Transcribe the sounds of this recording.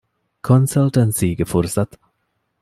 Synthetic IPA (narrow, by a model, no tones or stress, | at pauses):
kʰɔnsalt̪ɛnsiɡəfɔɾsat̪